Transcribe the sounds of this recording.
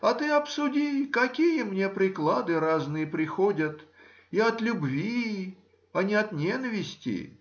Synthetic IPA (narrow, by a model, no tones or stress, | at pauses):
ɐt̪ɨɐpsʊdʲikɐkʲijəmnʲepɾʲɪklˠad̪ɨɾaznɨjəpɾʲɪxodʲət̪ | iɐt̪lʲʊbvʲi | ɐnʲɪɐt̪nʲenəvʲɪsʲtʲɪ̰